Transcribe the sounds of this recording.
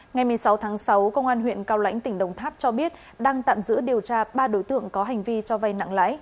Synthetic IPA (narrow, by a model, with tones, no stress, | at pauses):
ŋa˨˩jmɨ˨˩əjsa˨˦wt̪ʰaː˨˦ŋsa˨˦wkə˧wŋ͡mʔaː˧nɦwḭ˧˨ənkaː˧wla̰˧˥jŋ̟t̪ï˧˩ŋ̟ɗə˨˩wŋ͡mt̪ʰaː˦˥p̚t͡ɕɔ˧ɓi˦˥ət̚ | ɗaː˧ŋt̪a̰ː˧˨mzɨ̰˧˥ɗi˨˩əwt͡ɕaː˧ɓaː˧ɗo˨˦jt̪ɨ̰˧˨əŋkɔ˨˦ɦa˨˩ŋ̟vi˧t͡ɕɔ˧va˨˧˩jna̰˧˨ŋla̰ː˧˥j